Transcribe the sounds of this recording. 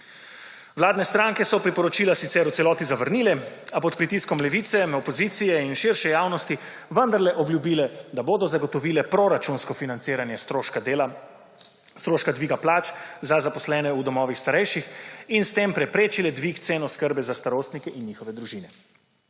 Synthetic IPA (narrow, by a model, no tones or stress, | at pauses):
wlaːd̪nɛst̪ɾaːŋkɛsɔpɾipɔɾɔt͡ʃiːlasit̪sɛɾut̪sɛlɔːt̪izaʋəɾniːlɛapɔt̪pɾit̪iskɔmlɛʋiːt̪sɛɔpɔziːt̪sijɛinʃɪɾʃɛjaːwnɔst̪i | ʋənd̪aɾlɛʔɔbljubiːlɛd̪aboːd̪ɔzaɡɔt̪ɔʋiːlɛpɾoɾat͡ʃunskɔfinant̪siːɾanjɛsola | st̪ɾoːʃkad̪ʋiːɡaplaːt͡ʃzazapɔslɛːnɛud̪ɔmɔːʋixst̪aɾɛjʃixinst̪eːmpɾɛpɾeːt͡ʃilɛd̪ʋikt̪seːnɔskəɾbɛzast̪aɾoːst̪nikɛʔinɲixɔʋɛd̪ɾuʒiːnɛ